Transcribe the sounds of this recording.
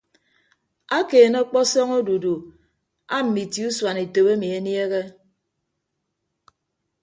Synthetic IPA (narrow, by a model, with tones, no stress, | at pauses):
a˦keː˨no˦k͡pɔ˦sɔ˦ŋo˦du˨du˨ | a˦m̩˨mi˨ti˨u˦swa˨ne˨to˨be˦mi˨e˨˦nje˦ɣe˦